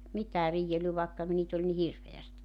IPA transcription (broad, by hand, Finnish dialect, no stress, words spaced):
mitæː riːelːy ʋɑˑekːɑ niːt olʲ ni hirʋeæstit